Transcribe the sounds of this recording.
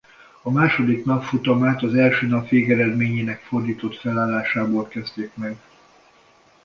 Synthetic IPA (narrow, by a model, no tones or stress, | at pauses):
ɒmaːʃo̞d̪ikn̪ɒpfut̪ɒmaːt̪ɒzɛlʃøːnɒpʋeːɡɛɾɛd̪meːɲeːnɛkfo̞rd̪iːt̪o̞t̪fɛlaːlːaːʃaːboːlkɛzt̪eːkmɛɡ